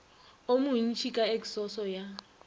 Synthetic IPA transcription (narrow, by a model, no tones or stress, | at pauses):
omun̩t͡ʃʰikʼaekʼi̥sɔsɔja